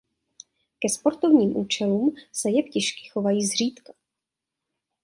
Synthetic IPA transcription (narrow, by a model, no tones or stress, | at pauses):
kɛspo̞ɾt̪o̞vɲiːmʔuːt͡ʃɛluːmsɛjɛpcɪʃkɪ̥xo̞vajiːzr̝iːt̪kḁ